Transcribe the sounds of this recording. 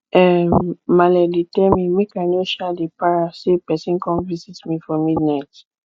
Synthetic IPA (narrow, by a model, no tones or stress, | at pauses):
ɛmalɛlitɛmĩmĩkãnoʃadepaɹasepɛsĩnkɔ̃nvizitmifɔmidnajt